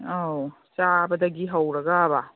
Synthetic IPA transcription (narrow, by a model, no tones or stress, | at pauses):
aw | t͡ʃabɐdɐɡiɦawɾɐɡaba